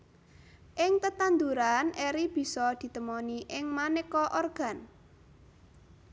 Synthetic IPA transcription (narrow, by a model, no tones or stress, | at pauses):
ʔɪŋt̪ət̪and̪uɾanʔɛɾib̥i̤sɔd̪̥i̤t̪əmɔniʔɪŋmanekɔʔɔrɡ̥a̤n